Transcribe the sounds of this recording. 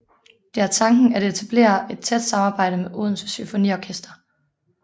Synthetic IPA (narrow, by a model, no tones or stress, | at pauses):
d̥e̝æɐt͡sʰɑ̈ŋɡ̥n̩æɐɾ̥e̝e̝t͡sʰæb̥le̝̰ːɐe̝d̥̚t͡sʰed̥sɑ̈mɑːb̥ɑ̈ɪ̰ɾ̥əmeʔoð̞ˠn̩ssyfo̝nḭːɒkʰesd̥ɐ